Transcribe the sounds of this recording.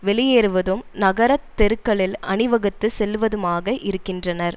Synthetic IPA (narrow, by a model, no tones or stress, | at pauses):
ʋɛɭɪjeːɾɯʋɐðɯmnɐɣɐɾɐt̪ːɛɾɯkːɐɭɪlɐɳɪʋɐɣɐt̪ːɯsɛlːʋɐðɯmaːɣɐʔɪɾɯkːɪndrɐnɐɾ